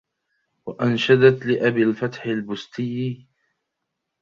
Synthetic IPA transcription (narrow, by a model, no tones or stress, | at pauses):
waʔanʃad̪at̪lɪʔabɪlfat̪ħɪlbʊst̪ɪjː